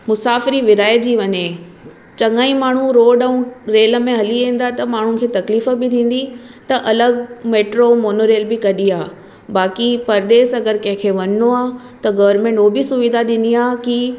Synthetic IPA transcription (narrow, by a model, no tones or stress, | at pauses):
mʊsaːfɪɾiʋɪɾaːjt̪̚d͡ʑiːʋɐɲẽ | t͡ɕɐŋaːĩmaːɳ̤ũɾoːɖəũɾeːlə̆mẽɦɐliẽːn̆d̪aːet̪ɐmaːɳ̤unɪ̆kʰeːt̪ɐkliːfə̆bɪt̪ʰĩːn̆d̪it̪ɐʔɐləɡmeːʈɾomoːnoɾeːlbɪkɐɗiaː | baːkipɐɾd̪eːsɐɡəɾkɐ̃ɦɪ̃kʰeːʋɐɲnoaː | t̪ɐɡɐʋəɾmẽːɳʈoːbɪsʊʋid̪ʱaɗɪniaːki